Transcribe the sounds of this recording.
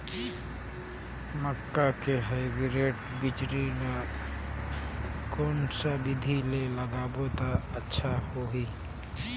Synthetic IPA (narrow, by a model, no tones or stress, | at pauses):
məkːakeɦəɪbiɾeʈ | bit͡ʃɾina | konsəbid̪ʱileləɡabot̪aətːʃʰahoɦi